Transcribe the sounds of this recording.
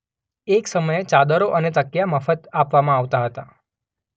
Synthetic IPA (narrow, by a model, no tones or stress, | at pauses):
eksəməjet͡ʃad̪əɾoʔənet̪əkijaməfət̪apʋamãaʋt̪aɦət̪a